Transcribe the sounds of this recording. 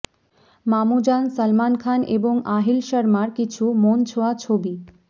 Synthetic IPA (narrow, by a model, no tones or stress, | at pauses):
mamud͡ʑansəlmankʰaneboŋaɦilʃəɾmaɾkit͡ɕʰumont͡ɕʰoat͡ɕʰobi